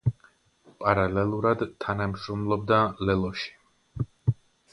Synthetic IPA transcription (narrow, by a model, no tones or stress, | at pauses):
pʼaɾalɛlˠuɾad̪t̪ʰːanamʃɾɔmlˠɔb̚d̪alɛlˠɔʃi̥